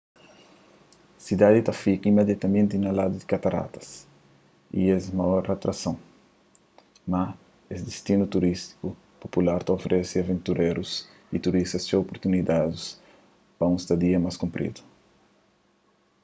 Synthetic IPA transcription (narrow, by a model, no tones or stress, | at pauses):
sid̪ad̪it̪afikimed̪jat̪ɐmẽnt̪inalad̪ud̪ikat̪aɾa̰t̪ɐ̥s | ḭɛzmajɔɾat̪ɾasɐ̃w̃ | ma | esd̪est̪inut̪uɾist̪i̥ku | populaɾt̪ofɾʔɛsiavẽnt̪uɾeɾus | it̪uɾist̪ɐst͡ʃopoɾt̪unid̪ad̪us | pɐũst̪ɐd̪iɐmaskũmpɾʔḭd̪u̥